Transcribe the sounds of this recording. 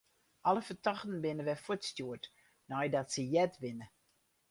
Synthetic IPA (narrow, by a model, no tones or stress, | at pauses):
ʔɔləfətɔxtən̩bɪnəʋɛfutstjuət | nɔjdɔtsəjɛtʋɪnə